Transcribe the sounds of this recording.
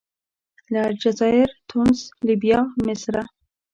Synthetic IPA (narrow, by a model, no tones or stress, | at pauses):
laɾd͡ʒazɑɪɾt̪ʰunslibjɑmɪsɾa